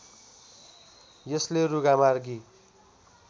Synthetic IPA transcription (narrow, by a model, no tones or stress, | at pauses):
jʌsleruɡamarɡi